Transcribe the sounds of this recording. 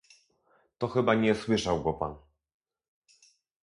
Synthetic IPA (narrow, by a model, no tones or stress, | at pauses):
t̪ɔxɘbaɲɛswɘʂawɡɔpa̰n